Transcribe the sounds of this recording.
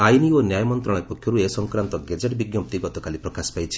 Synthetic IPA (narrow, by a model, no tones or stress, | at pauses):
ajnionjajɔmɔnt̪ɾɔɽ̃jpɔkʰjɔɾuesɔŋkɾant̪ɔɡed͡ʒeʈbiɡjɔp̚t̪iɡɔt̪ɔkalipɾɔkaspajt͡ʃʰi̥